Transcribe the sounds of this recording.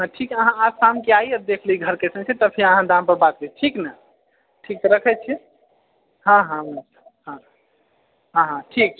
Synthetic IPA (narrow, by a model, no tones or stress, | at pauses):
ɦãʈʰikəɦãasamkeaiəd̪ekʰliɡʱəɾkesə̃nt͡ʃʰɛt̪əpʰiəɦãd̪ãmpəɾbat̪̚beʈʰiknə | ʈʰikːɾəkʰɛt͡ʃʰɛ | ɦãɦãmsə̥ɦã | ɦãɦãʈʰik̚ʰ